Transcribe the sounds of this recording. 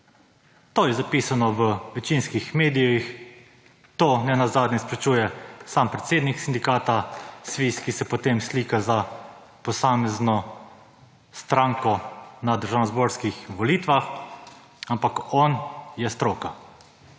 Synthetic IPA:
t̪oːjɛzapisanɔʋəʋɛt͡ʃinskixmeːd̪ijɔix | t̪oːnɛnazaːd̪nʲɛspɾɛt͡ʃuːjɛsaːmpɾɛt̪seːd̪niksind̪ikaːt̪asʋiskisɛpot̪emsliːkaza | pɔsaːmɛznɔ | st̪ɾaːŋkɔnad̪əɾʒaːnɔzboːɾskixʋɔliːt̪ʋax | ampakɔnjɛst̪ɾoːka

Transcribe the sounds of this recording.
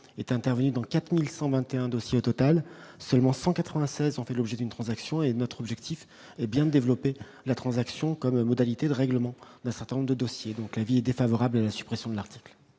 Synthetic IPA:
ɛt̪ɛ̃t̪ɛʁvənyd̪ɑ̃kat̪χmilsɑ̃vɛ̃t̪eɛ̃d̪osjeot̪ɔt̪alsœlmɑ̃sɑ̃kat̪χəvɛ̃sɛzɔ̃fɛlɔbʒɛd̪ynt̪χɑ̃zaksjɔ̃enɔt̪χɔbʒɛkt̪ʰif | ɛbjɛ̃d̪əd̪evlɔpe | lat̪χɑ̃zaksjɔ̃kɔmːɔd̪alit̪ed̪əʁɛɡləmɑ̃d̪ɛ̃sɛʁt̪ɛ̃nɔ̃mʁd̪əd̪ɔsjed̪ɔ̃klaviɛd̪efavɔʁablalasy̥pχɛsjɔ̃d̪əlaʁt̪ʰi̥kl

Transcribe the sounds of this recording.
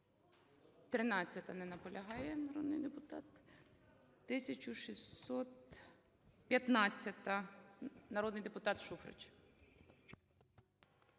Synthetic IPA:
t̪ɾɪnɑt͡sʲːɐt̪ɐnɛnɐpɔlʲʔɐɦɑjɛnɐɾɔd̪nɪjd̪epʊt̪ɑ̰t̪ː | ɪsʲɐt͡ʃʊʃisɔt̪ | pʲjɐt̪nɑt͡sʲːɐt̪ɐ | nɐɾɔd̪nɪjd̪epʊt̪ɑt̪ʃufɾɪ̰t͡ʃ

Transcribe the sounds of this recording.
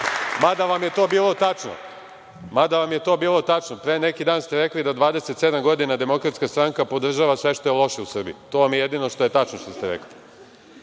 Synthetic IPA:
mad̪aʋamje̞t̪o̞ːbiːlˠo̞t̪at͡ʃno̰ | mad̪aʋamjet̪o̞ːbiːlo̞t̪at͡ʃnopɾene̞kid̪aːnst̪eɾeklid̪ad̪ʋaːd̪e̞set̪se̞d̪amɡo̞d̪inad̪e̞mo̞kɾat̪skast̪ɾaŋkapo̞d̪r̩ʒaːʋasʋe̞ʃt̪o̞jelˠo̞ʃeusr̩bḭut̪oʋamjeje̞d̪ino̞ʃt̪o̞jet̪at͡ʃno̞ʃt̪ost̪eɾḛkli

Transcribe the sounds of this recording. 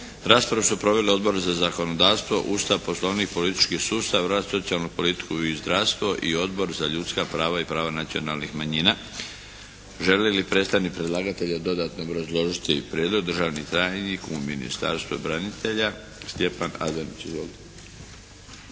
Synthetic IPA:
ɾaːspɾaʋesupɾo̞ʋe̞leo̞d̪bo̞ɾzazako̞no̞d̪aːʋst̪ʋo̞̰ʔust̪aʋpo̞slˠo̞ʋnixpo̞lit̪i̥t͡ʃkisuːst̪aʋɾaːst̪so̞t̪sialˠnupo̞lit̪i̥kuizd̪ɾaʋst̪ʋo̞ʔio̞d̪bo̞ɾzaʎut̪skapɾaːʋaipɾaːʋanat̪sio̞nalnixmaɲiːna | ʒe̞lilipɾe̞st̪anipɾed̪lˠaːɡat̪e̞ʎad̪o̞d̪at̪no̞ːbɾazlˠo̞ʒit̪ipɾjed̪lˠo̞ɡ̚d̪rʒaːʋnit̪ɾajɲikumḭnḭst̪a̰ɾst̪vubɾanit̪ʰe̞ʎa | st̪je̞pana̰d̪enit͡ɕizʋoːlit̪e

